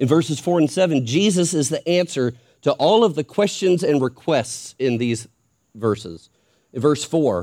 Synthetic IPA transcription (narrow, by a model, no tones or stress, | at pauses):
ɨ̃nvɜ˞sɨz̥fɔɹɨ̃nsɛvɨ̃nd͡ʒizəsɨzðiʔæ̃nsə˞ | ɾəʔɔlˠʌvðɨkʰw̥ɛst͡ʃɨ̃nzɨ̃nɹɨkʰw̥ɛstsɪ̃nðiz | vɜ˞sɪ̰z̥ | ɨ̃nvɜ˞sfɔɹ